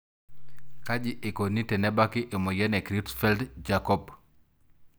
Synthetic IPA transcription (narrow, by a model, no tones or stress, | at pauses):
kaɟiʔekonitenɛbakiʔemojenekɾitfɛldd͡ʒakɔb